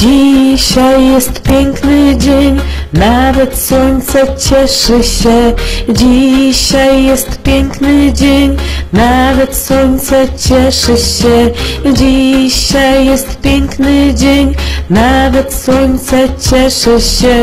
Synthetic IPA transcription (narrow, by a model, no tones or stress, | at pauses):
d͡ʑiɕajːɛst̪pʲjɛŋknɘd͡ʑeɲnavɛt̪swɔnʲt̪sɛt͡ɕɛʂɘɕɛd͡ʑiɕajːɛst̪pʲeŋknɨd͡ʑeɲʲnavɛt̪swɔɲʲt̪sɛt͡ɕɛʂɨɕːɛd͡ʑiɕajːɛst̪pʲjɛŋknɨd͡ʑeɲnavɛt̪swɔɲʲt̪sɛt͡ɕɛʂɨɕːɛ